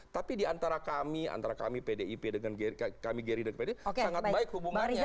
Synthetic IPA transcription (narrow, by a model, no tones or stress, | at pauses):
t̪apidiant̪aɾakamia̰nt̪aɾaka̰mipedeipedəŋanɡekamiɡeɾidəŋpedeoksaŋat̪̚baɪkhubumanɲa